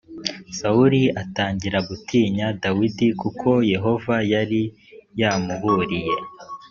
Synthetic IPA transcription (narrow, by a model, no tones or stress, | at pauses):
sauɾiataːɲɟiɾaɡutʰiːɲadawidikukʰo̞je̞ɦo̞vajaɾi | jaːmuβuːɾije̞